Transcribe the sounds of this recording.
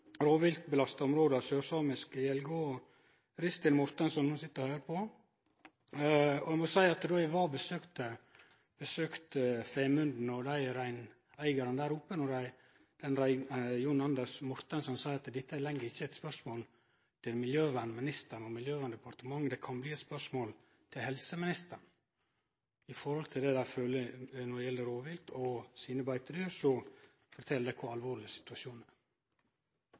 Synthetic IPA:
ɾoːʋɪlkbəlɑst̪ɑɔmɾoːd̪əɑsøːɾsɑːmɪskjɛlɡoː | ɾɪst̪ɪnmʊɾt̪ənsɔnhʊnsɪt̪ːəɾɔhœːɾəpʰɔ | ɔɛmɔsæɪɑt̪d̪oɛʋɑːbəsøːkt̪ə | b̥əsøːkt̪femʉnd̪n̩ɔd̪æɪɾæɪn | æɪɡɑɾənd̪æːɾʊpːənɔɾæɪ | d̪̥ɛnɾæɪjʊnɑnd̪əsmʊɾt̪ənsɔmsɑɪɾɑt̪d̪ɪt̪ːəælɛŋːəɾɪçːəɛɪt̪spœʂmoːl | t̪ʰɪlmɪljøːʋænmɪnɪst̪əɳɔmɪljøːʋænd̪ɛpɑɾt̪əmɑŋːd̪ɛkʰɑnbliːɛt̪spœʂmoːl | t̪ʰɪlhɛlsəmɪnɪst̪əɳ | ɪfɔɾhɔlt̪ʰɪld̪ɛːd̪æføːlənɔdɛjɛlːəɾoːʋɪlt̪ʰɔsiːnəbɑɪt̪əɾɪəɾsɔ | fɔɾt̪ʰɛld̪æɪkʰɔɑlʋoːɾɭlɪəsɪ̥t̪ʉɑʃuːnæɾ

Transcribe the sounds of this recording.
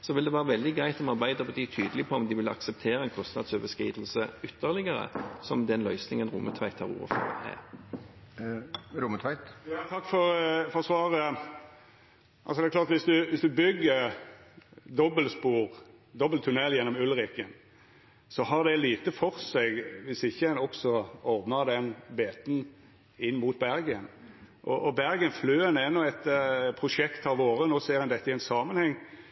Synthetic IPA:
sɔʋɪld̪ɛʋæːʁəʋɛld̪ɪɡʁæɪt̪ɔmɑʁbæɪd̪əbɔt̪ʰiːt̪ʰyːd̪əlɪpʰɔɔmd̪ɪʋɪlɑ̰ksɛp̚t̪ʰeːɾəɛnkʰɔst̪nɑ̰d̪søːʋəskḭːd̪l̩səʏt̪ʰːəʁlɪɡəɾə̰sɔmd̪ɛnlœʏsnɪŋənɾʊ̰mːət̪ʰʋæɪt̪hɑːʁṵːʋə̰fɔ̰ʁə̰ɛ̰ | ɾʊmət̪ʰʋæɪt̪jɑt̪ʰɑkːfɔɾfɔsʋɑːɾə | ʔɑ̰lsɔd̪ɛklɑːɾt̪ʋɪsd̪ʉʋɪsd̪ʉbʏɡːəɾ | d̪ɔbəlspuːɾ | d̪ɔbəlt̪ʰʉnɛljɛnːɔmʉlʁɪkən | sɔɦɑd̪ɛliːt̪əfɔʁsɛɡʋɪsɪçːəɛnɔksɔɔɾd̪nəʁd̪ɛnbeːt̪n̩ | ɪnːmuːt̪̚bæɾɡənʔɔʔɔbæɾɡənfløːɛnɛnːɔɛt̪pʰʁʊʂɛkt̪ɑʋʋoːɾənoːseːʁɛnd̪ɛt̪ːəɪɛnsɑːmənhɛŋː

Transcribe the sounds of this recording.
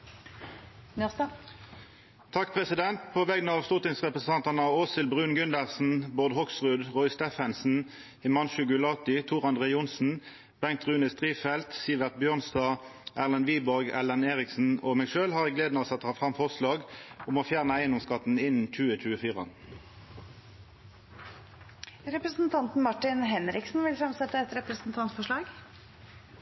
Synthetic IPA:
n | t̪ʰɑkpʰʁɛsɪd̪ɛnt̪pʰoːʋɛɡnəɑːʋst̪ʊt̪ɪnsʁɛpʁɛs̩ɑnt̪ɑnɑoːsɪlbʁʉːnɡʉnd̪əʁsn̩bʊʁd̪hɔksʁʉd̪ʁɔɪst̪efɛnsn̩ | ɪmɑnʃʉːɡʉlɑt̪ɪt̪ʰuːʁɑnd̪ʁeʊnsn̩ | b̥ɛŋ̚t̪ʁʉːnɪst̪ʁiːfɛlt̪siːʋɛʁt̪̚bjøːʁnsd̪ɑːʔæːʁlɑnʋiːbɔʁɡælɑneːʁɪksn̩omɛʃøːlhɑːʁɛɡleːd̪noːsɑt̪ːəhɑːfʁɑmfɔʁslɑːɡʊmoːfjæːʁnəæɪnʊmskɑt̪n̩ɪnn̩t͡ʃʉːəc͡çʉːəfiːʁɑn | ɾɛpɾəsn̩t̪ʰɑnt̪n̩mɑʈɪnɦɛnɾɪksn̩ʋɪlfɾɑmsɛt̪ːəɛt̪ɾɛpɾəsn̩t̪ʰɑnt̪fɔʂɭɑːɡ

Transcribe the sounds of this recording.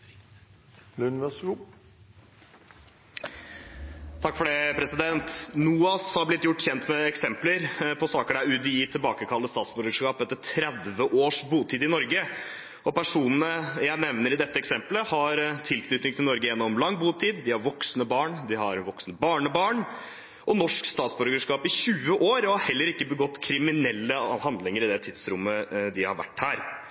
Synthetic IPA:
lʉnʋɛs | t̪ʰɑkːfɔɖɛpʰɾɛsɪd̪ɛnt̪nuːɑshɑɾblɪt̪ːjʊʈːçɛnt̪mɛɛksɛmpləɾpʰɔsɑːkəɖææɾʉd̪jiːt̪ʰɪlbɑːkəkʰɑlːəst̪ɑːt̪sbʊɾɡʂkɑːpɛt̪ːət̪ʰɾɛd̪ʋəʔoːʂbuːt̪ʰiːd̪ɪnɔɾɡə | ɔpæʂuːnənəjæɪnɛʋnəɾɪd̪ɛt̪ːəɛksɛmpləhɑɾt̪ʰɪlkʰnʏt̪ɪŋt̪ɪlɔɾɡəjɛnːɔmlɑŋːbuːt̪ʰiːd̪d̪ɪhɑɾʋɔksnəbɑːɳd̪ɪhɑɾʋɔksnəbɑːɳəbɑːɳ | ʔɔnɔʂkst̪ɑːt̪sbʉɾɡəʂkɑːpɪɕʉːəʔoːɾɔhɑhɛlːəɾɪkːəbəɡɔt̪ːkʰɾɪmɪnɛlːəhɑnd̪lɪŋəɾɪd̪ɛt̪ʰɪd̪sɾʊmːəd̪ɪhɑ̰ɾʋæ̰ʈːhæːɾ

